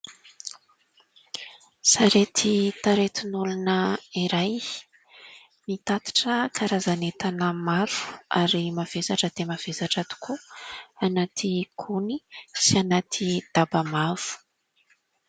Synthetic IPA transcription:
saɾet̪ʰit̪aɾet̪inulunəiɾaj | mit̪at̪i̥ʈ͡ʂəkʰaɾazanet̪anəmaɾu̥a̰ɾimav̥esaʈ͡ʂəd̪̥emav̥esaʈ͡ʂat̪u̥kʰuanat̪ʰikʰunisianat̪ʰid̪̥abamav̥u̥

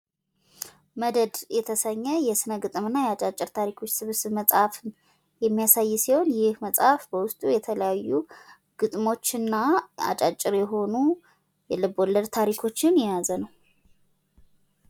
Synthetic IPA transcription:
məd̪əd̪jɛt̪ʰəsəɲːəjɛsɨnəɡɨt̪ʼɨmɨnːajɛat͡ʃʼat͡ʃʼːɪɾt̪ʰaɾikʰo̞t͡ʃːsɨβsɨβməsʼafɨn | jɛmːijasajːsiho̞njɪhməsʼafbəwʊst̪ʼujɛt̪ʰələjajːu | ɡ̥ɨt̪ʼmo̞t͡ʃːɨnːaa̰t͡ʃʼat͡ʃʼːɪɾjɛɦo̞nu | jɛlɨbolːəɾt̪ʰaɾikʰo̞t͡ʃːɪnjɛjazənəw

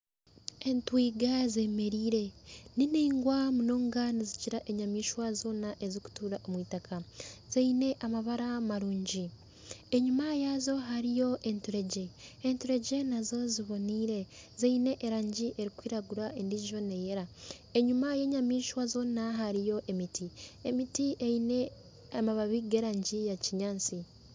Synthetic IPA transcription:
e̞ntwiːɡaze̞me̞ɾiːɾe̞nineiŋɡwamuno̞ːŋɡaniziciɾaʔe̞ɲamiːʃwazo̞ːnaʔe̞ziku̥tuːɾaʔomwiːtakʰaz̥eine̞ʔamaβaɾamaɾuːɲɟi | eɲumajazo̞ɦaɾijo̞ʔe̞ntuɾe̞ɟe̞ːntuɾe̞ɟe̞nazo̞ziβo̞niːɾe̞zeine̞ʔeɾaːɲɟiʔe̞ɾikwiːɾaɡuɾaʔendiʒo̞ne̞je̞ɾa | e̞ɲumaje̞ɲamiːʃwazo̞ːnaɦaɾijo̞ʔe̞mitiemitiʔeine̞ | amaβaβiɡe̞ɾaːɲɟijaciɲaːnt͡si

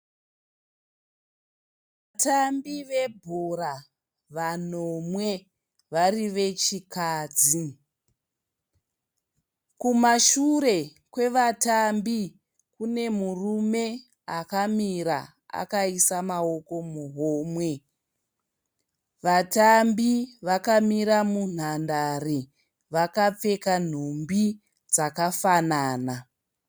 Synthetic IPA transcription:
ʋ | atambiʋe̞bʱora | ʋanomwe̞ | ʋariʋe̞t͡ʃikaːd͡zi | kumaʃure̞ | kwe̞ʋatambi | kune̞murume̞ | akamiɾa | a̰kaisamao̞ko̞muɦoːmwe̞ | ʋatambiʋakamiɾamun̤andare | ʋakap͡fe̞kan̤umbi | d͡zakafanaːna

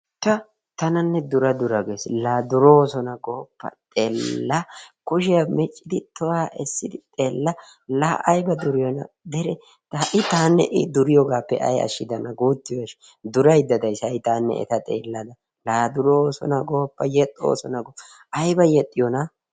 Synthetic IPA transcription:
t̪ɐ | t̪ɐnɐnːɛd̪ʊɾɐd̪ʊɾɐɡeːslaːd̪ʊɾoːsɔnɐɡoːpːɐ̰t̪ʼeːlːɐkʊʃ̬ɪjɐmɛt͡ʃʼːɪd̪ɪt̪ɔwaːʔɛsːɪd̪ɪt̪ʼeːlːɐ | laʔɐjbɐd̪ʊɾɪjɔnɐ̰ | d̪ɛɾɛ | t̪ʔɪt̪aːnːɛ̰ʔɪd̪ʊɾɪjɔɡaːpːɛ̰ʔɐ̰jɐ̰ʃːɪd̪ɐnɐɡuːt̪ːɪjɔʃ | d̪ʊɾɐjd̪ːɐd̪ɐjsɐjɪt̪aːnːɛ̰ʔɛ̰t̪ɐt̪ʼḛːlːɐd̪ɐ | laːd̪ʊɾoːsɔ̰nɐɡoːpːɐjɛt̪ʼːo̰ːsɔnɐɡopː | ɐjbɐjɛt̪ʼːɪjɔnɐ

